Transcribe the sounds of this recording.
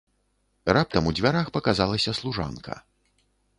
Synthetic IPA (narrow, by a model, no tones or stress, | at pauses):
rap̚t̪ɐmud͡zʲvʲaɾaxpɐkazalˠɐsʲɐslˠuʐa̰nkʰɐ̰